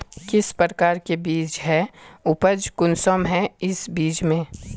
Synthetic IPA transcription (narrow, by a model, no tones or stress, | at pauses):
kɪspɾəɾkaːɾkebiːd͡ʒɦɛʊpəd͡ʒkʊnsoːmɦɛ̃ɪsbiːt͡ʃmẽ